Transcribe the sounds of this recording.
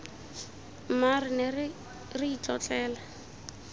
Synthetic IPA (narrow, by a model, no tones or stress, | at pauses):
marɪnɛ | riit͡ɬʼɔt͡ɬʼɛːla